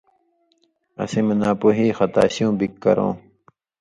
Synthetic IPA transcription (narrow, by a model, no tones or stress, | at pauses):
ɐ̰simɐnaːpoɦiːxɐt̪a̰ːɕijũːbikːɐ̰ɾõ̰ː